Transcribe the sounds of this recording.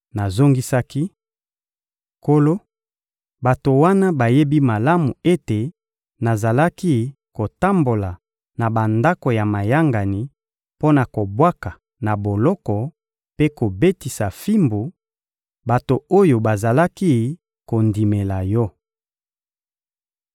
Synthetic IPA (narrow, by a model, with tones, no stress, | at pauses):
na˨zo˦ŋɡi˦sa˦ki˦ | ko˦lo˦ | ba˨to˨wa˦na˦ba˨je˦bi˦ma˨la˦mu˨e˦te˨ | na˨za˨la˦ki˦ | ko˨ta˦mbo˨la˨ | na˨ba˨nda˦ko˨ja˨ma˨ja˦ŋɡa˨ni˨ | po˦na˨ko˨bwa˦ka˨ | na˨bo˨lɔ˦kɔ˨ | pe˦ko˨be˦ti˨sa˨fi˦mbu˨ | ba˨to˨o˦jo˨ba˨za˨la˦ki˦ | ko˨ndi˨me˨la˨jɔ˦